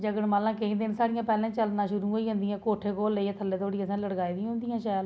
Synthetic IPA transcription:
d͡ʒəɡəɽmaːlãːkəĩːd̪ɪnsaːɽɪjãːpɛːlãːt͡ʃəlnaːʃʊɾũːɦoːiːɦõnd̪ijãːkoːʈʰeːkoːlːəiːet̪ʰəlːeːt̪ʰoːɽiːəsãːləɽɡaːiːd̪ɪãɦʊ̃nd̪ɪjãːʃaːjl

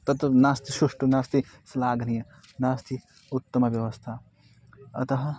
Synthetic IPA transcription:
t̪ɐt̪nast̪ʰisuʂʈunaːst̪i | slaːɡnijɐ | naːst̪ʰi | ut̪ːɐmɐʋjɐʋɐst̪ʰa | ɐ̰t̪ɐɦɐ

